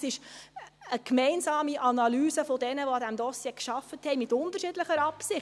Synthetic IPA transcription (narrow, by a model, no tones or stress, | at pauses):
sɪʃ | əkmɛɪnsɑːmiʔɑnɑlyːsəfodɛnəʋoɑdæmdɔsjeːkʃɑfəthɛjmɪtʊndəɾʃɪdləχəɾɑpsɪχ